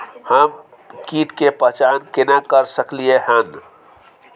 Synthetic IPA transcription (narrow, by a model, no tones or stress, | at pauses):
həm | kit̪kepət͡ʃankenakəɾsəklieɦən